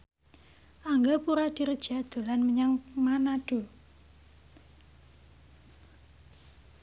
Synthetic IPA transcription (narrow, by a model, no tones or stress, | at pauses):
ʔaŋɡapuɾad̪̥i̤ɾəd̥d͡ʒ̥a̤d̪̥o̤lanməɲaŋmanad̥u